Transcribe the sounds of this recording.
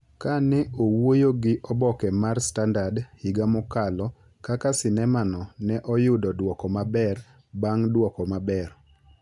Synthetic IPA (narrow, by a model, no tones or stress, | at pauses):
kanɛowojoɡɪʔɔbɔkɛmarstandadhiɡamɔkalɔ | kakasɪnɛmanɔnɛʔɔjʊdɔdwɔkɔmabɛr | baŋdwɔkɔmabɛr